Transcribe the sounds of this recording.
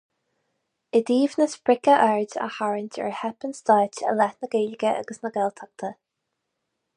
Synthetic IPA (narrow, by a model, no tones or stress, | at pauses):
ɪd̪iːvnəsbɹɪkəʔɛɹdə̰haɹɪnʲtʰɛ̰ɹhɛpənst̪aːtə̰lɛtnəɡeːlɪɡəʔə̰ɡəsnəɡɛlt̪ʰak̚t̪ʰə